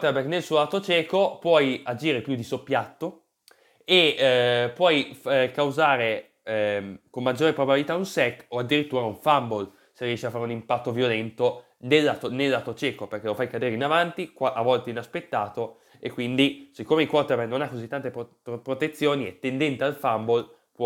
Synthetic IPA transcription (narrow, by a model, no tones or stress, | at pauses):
kwt̪ebeknelsuːolaːt̪ot͡ʃɛːkopwɔjad͡ʒiːɾepjud̪isopːjat̪ːo | e | pwɔjkawzaːɾe | komːad͡ʒːoːɾepɾobabilit̪aunsɛkːoad̪ːiɾit̪ːuːɾauɱfambol | seriɛʃiafːaːɾeunimpat̪ːovjolɛnt̪o | nelːat̪onelːaːt̪ot͡ʃɛːkoperkelofajkad̪eːɾeinavant̪ikaʔavɔlt̪einaspet̪ːaːt̪o | ekːwind̪isikːomeilkwɔt̪ebenonakːozit̪ːant̪ep | pɾot̪et̪sːjoːniɛ̰t̪ːend̪ɛnt̪ealfambol | pw